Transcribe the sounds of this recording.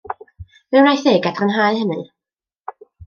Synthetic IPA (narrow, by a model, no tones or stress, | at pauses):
vɨrajθeːɡadrənɦaɨhənɨ